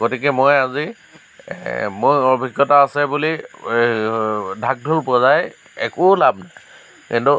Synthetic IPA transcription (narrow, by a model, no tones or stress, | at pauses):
ɡotikɛmojazi | mojɔbʱiɡːɔtaːsɛbuli | dʱak̚dʱulpɔzaj | ɛ̰kʊlabna | kintu